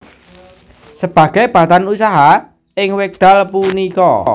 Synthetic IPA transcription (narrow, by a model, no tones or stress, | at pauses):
səb̥ä̤ɡ̥a̤jb̥a̤t̪anusaɦa | ɪŋwɪk̚d̪̥a̤lpunikɔ